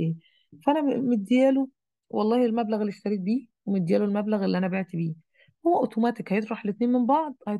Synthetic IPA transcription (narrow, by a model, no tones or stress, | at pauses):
fæʔænæmet̪̚d̪ejæːlo | wʔɑlˤːɑːhelmæblæɣelːest̪æɾiːd̪̚biːwemet̪d̪ːejæːlolmæblæɣelːiʔænæbeʕt̪ibiː | howːæʔot̪omæːt̪ekhæjet̪ˤɾˤɑħlet̪neːnmembɑʕd̪ˤhæj